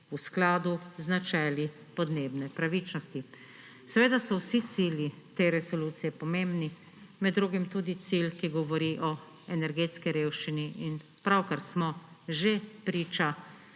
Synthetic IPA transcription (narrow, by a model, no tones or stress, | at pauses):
usklaːd̪uznat͡ʃɛːli | pɔd̪neːbnɛpɾaʋit͡ʃnɔst̪i | sɛʋeːd̪asɔwsit̪siːljit̪eɾɛsɔluːt̪sijɛpɔmeːmbni | mɛd̪ːɾuːɡimt̪uːd̪it̪silkiɡɔʋɔɾiʔɔ | ɛnɛɾɡeːt̪skiɾewʃt͡ʃiniːn | pɾawkaɾsmɔʒepɾiːt͡ʃa